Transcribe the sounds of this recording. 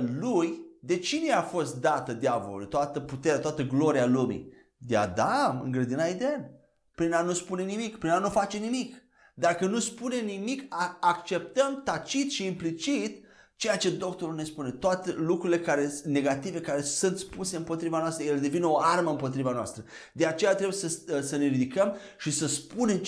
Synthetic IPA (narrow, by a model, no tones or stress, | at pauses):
lujd̪e̞t͡ʃineafo̞st̪̚d̪at̪əd̪javo̞̰lṵt̪oat̪əput̪e̞ɾeat̪oat̪əɡlo̞ɾialumḭ | d̪ea̰d̪amɨ̰ŋɡɾed̪inaid̪een | pɾinanuspune̞nimikpɾinanufat͡ʃe̞nimik | d̪akənuspune̞nimikaakt͡ʃe̞p̚t̪əmt̪at͡ʃit̪ʃiːmplit͡ʃit̪ | t͡ʃe̞jat͡ʃe̞d̪o̞k̚t̪o̞ɾulne̞spune̞t̪oat̪elukɾuile̞kaɾe̞ne̞ɡat̪ive̞kaɾe̞sunt̪spuse̞ɨmpo̞t̪ɾivanoast̪ɾəjeled̪e̞vineo̞arməɨmpo̞t̪ɾivanoa̰st̪ɾə | d̪e̞at͡ʃe̞jat̪ɾeujesəsəne̞ɾid̪ikəm | ʃisəspune̞m